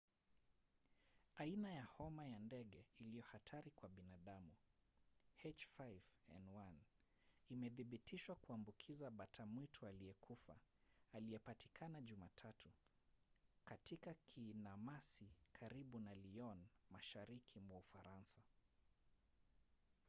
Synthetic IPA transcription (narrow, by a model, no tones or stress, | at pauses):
ainajahɔmajandɛɠɛilijɔhatʰaɾikwaɓinaɗamu | hɛt͡ʃfajvɛnwan | imɛðiɓitʰiʃwakuambukʰizaɓatʰamwitʰualiɛkʰufa̰ːliɛpati̥kʰanaʄumatʰatʰu | katikakʰinamasikʰaɾiɓunaliɔnmaʃaɾikʰimwaufaɾansa